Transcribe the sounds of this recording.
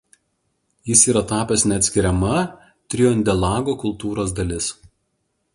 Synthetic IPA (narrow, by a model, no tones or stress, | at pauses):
jɪsiːɾɐt̪ɑːpʲɛsnʲɛɐt̪ʲsʲkʲɪɾʲɛmɐ | t̪ʲɾʲɪjonʲd̪ʲɛlˠɑːɡoːkʊlˠt̪uːɾoːs̬d̪ɐlʲɪs